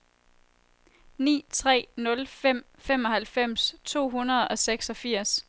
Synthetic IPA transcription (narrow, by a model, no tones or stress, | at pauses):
nḭːt͡sʰʁɛ̰ːnɔ̽lfem̰ | fem̰ɒ̽hælfem̰st͡sʰo̝̰ːɦunɐð̞ˠɒ̽seɡ̥sɒ̽fiɐ̰s